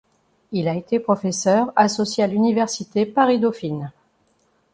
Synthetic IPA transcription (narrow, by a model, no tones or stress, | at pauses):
ilaet̪epχɔfɛsœʁasɔsjealynivɛʁsit̪epaʁid̪ɔfin